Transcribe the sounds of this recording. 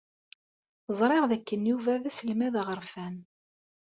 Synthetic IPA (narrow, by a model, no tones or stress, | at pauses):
zˤɾˤeʁðækːənjuvæðæsəlmæðʁəɾfæn